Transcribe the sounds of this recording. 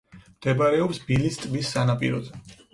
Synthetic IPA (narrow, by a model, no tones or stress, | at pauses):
md̪̥ɛbaɾɛɔpsbilist̪ʼvisːanapʼḭɾɔzɛ